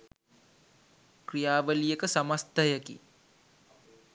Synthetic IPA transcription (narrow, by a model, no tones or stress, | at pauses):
krijaːʋəlijekəsɐmɐst̪əjəkḭ